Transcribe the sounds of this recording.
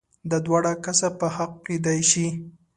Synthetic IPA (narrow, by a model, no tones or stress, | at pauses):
d̪əd̪wɑɽakasapəhaq̚ked̪ajʃi